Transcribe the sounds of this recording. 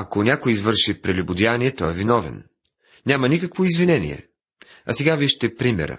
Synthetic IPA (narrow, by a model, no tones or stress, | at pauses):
ɐkonʲakojizvɤɾʃipɾɛlʲubʊd̪ianiɛt̪ɔɛvinɔvɛ̰n | nʲamɐnikəkvoizvinɛnḭɛ̰ | ɐ̰sɛɡaviʃt̪ɛpɾimɛ̰ɾə̰